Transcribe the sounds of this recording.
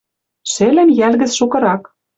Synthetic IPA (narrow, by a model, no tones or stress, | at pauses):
ʃĕlɘ̆njælɣɘ̆t͡sʃukɤ̆ɾɑk